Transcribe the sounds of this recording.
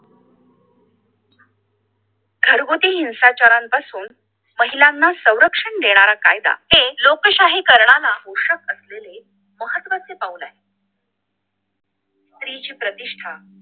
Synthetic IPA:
ɡʱəɾɡot̪iːɦinsat͡ɕaɾampasuːn | məɦilanːasə̃w̃ɾəkʂəɳd̪eɽ̃aɾakajd̪a̰t̪elokəɕaɦikəɾɳalaɦoɕəkəslele | məɦət̪ːʋat͡sepaulaɦe | st̪ɾit͡ɕiːpɾət̪iʂʈʰa

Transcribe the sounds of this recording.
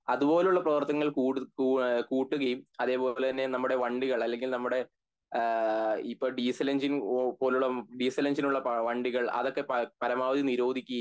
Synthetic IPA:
ɐðubo̞ːleuɭːɐprɐʋɐrt̪ːɐŋːɐɭkuːɽkuːʈːuɣɐjumɐðe̞ːpo̞ːlet̪ɐnːe̞nɐmːuɽe̞ʋɐɳɖiɣɐɭɐlːe̞ŋɡilnɐmːuɽe̞ | ipːo̞ːɖisɐlɐnd͡ʑinpoːleuɭːɐɖiːsɐlɐnsinuɭːɐpʋɐɳɖiɣɐɭɐ̰ðo̞kːe̞ppɐɾɐmaːʋɐd̪iniɾo̞ːd̪ʱikʲːu

